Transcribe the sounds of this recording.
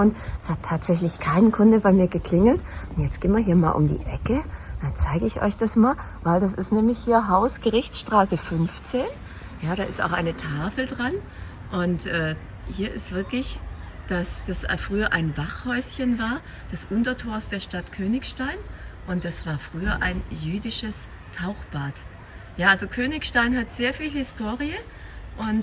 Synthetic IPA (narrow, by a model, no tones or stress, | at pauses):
nshatʰːaːtz̥ɛçlɪçkʰaɪnəkʰʊndəbaɪmiːɐɡəkʰl̥ɪŋl̩tʔʊntjɛt͡stɡ̥eːnmviːɐɦiːɐma̰ːlʔʊ̰mdḭːʔɛkəd̥ant͡saɪɡəɪçʔɔ̰ʏçd̥asmaːl | vaɪldasɪstnɛːmlɪçhiːɐɦaʊsɡ̥əʁɪçt͡sʃtʁ̥aːsəfʏnft͡seːn | jaːɾaːʔɪsta̰ʊxʔaɪnətʰaːfl̩dʁan | ʔʊntʔɛː | hiːɐʔɪ̰stv̥ɪɐklɪç | d̥asd̥asfʁ̥yːɐʔaɪnvaχhɔʏsçənvaːɐ | d̥ɛsʔʊntɐtʰoːɐsd̥eːɐʃtatkʰøːnɪçʃtaɪnʔʊnt̚d̥asv̥aːɐfʁ̥yːɐʔa̰ɪnjyːdɪʃəs | tʰaʊxb̥aːt | jaːʔalzokʰøːnɪçʃtaɪnɦatz̥eːɐfiːlhɪstʰoːʁiə | ʔʊnt